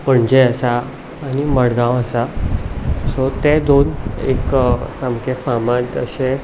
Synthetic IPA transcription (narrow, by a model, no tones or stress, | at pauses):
pəɳd͡ʑɛəsaː | niməɽɡãwəsa | sɔt̪ɛd̪onḛksamkʰefamat̪ə̰ɕẽ